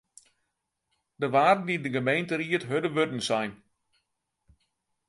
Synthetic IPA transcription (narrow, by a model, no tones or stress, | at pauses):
dəʋaːdn̩idəɡəmejntəriətɦødəʋødn̩sɛjn